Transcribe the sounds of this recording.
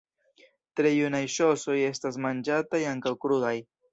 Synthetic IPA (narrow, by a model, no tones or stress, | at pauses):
tɾejunajʃoso̞je̞stasmand͡ʒatajaŋkawkɾuðaj